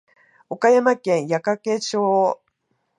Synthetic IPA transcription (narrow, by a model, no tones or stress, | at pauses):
okajamakẽ̞ɰ̃jakake̞t͡ɕoː